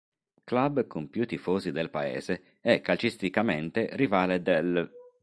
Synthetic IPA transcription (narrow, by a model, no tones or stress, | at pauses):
klabkʊmpjut̪ːifoːzid̪elpaḛːze | ɛkːalt͡ʃist̪ikament̪erivaːled̪el